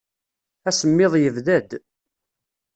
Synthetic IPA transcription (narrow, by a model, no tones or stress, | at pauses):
æsəmːɪðˤjəvðæd̪